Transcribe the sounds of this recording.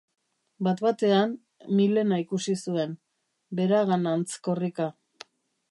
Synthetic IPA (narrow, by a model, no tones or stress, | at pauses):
bat̪βat̪e̞an | mile̞naikusisue̞n | be̞ɾaɣanant͡sko̞rika